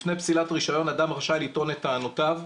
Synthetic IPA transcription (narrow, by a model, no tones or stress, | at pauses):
fnejpsilatʁiʃajo̞nad̪amʁaʃavlit̪o̞net̪aːnotav